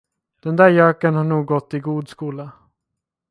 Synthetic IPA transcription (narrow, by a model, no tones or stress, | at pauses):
d̪̥ɛnd̪æːɾjœːkənhaɳuːɡːɔt̪ːɪɡuːd̪skuːla